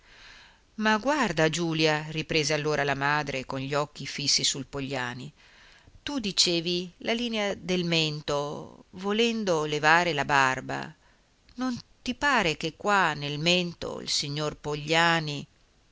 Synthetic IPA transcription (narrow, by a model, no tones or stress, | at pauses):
maɡward̪ad͡ʒuːljaripɾeːzealːoːɾalamaːd̪ɾekonʎiɔk̟ːifisːisulpoʎːaːni | t̪ud̪it͡ʃeːvilaliːnead̪elment̪ovolɛnd̪olevaːɾelabarba̰ | nont̪ipaːɾek̟ekːwanːelment̪o̰ḭlsiɲːorpoʎːaːni